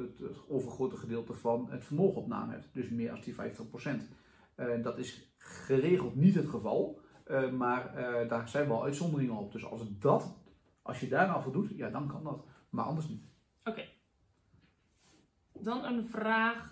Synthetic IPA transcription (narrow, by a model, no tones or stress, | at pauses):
ətoːvərχroːtəχədɪːlˠtəfɔnətfərmoːɣənɔpna̰ːmhɛ̰ptdøsmɪəʔɔsdifɛ̰jftəχprosɛnt | dɔtɪs | χəreːɣəlˠtnithətχəvɑlˠəmardasɛjnʋɔlˠʔœɥtsɔndərɪŋənop̚døsɔ̰sdɔt | ʔɑ̰sjədaːravədutjadɔnkʰɔndɔtmarʔɑ̰ndərsnit | oke | dɔnənvraːx